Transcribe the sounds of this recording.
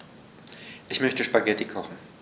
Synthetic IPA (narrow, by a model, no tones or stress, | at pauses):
ʔɪçmœçtəʃpaɡɛtʰikʰɔχn̩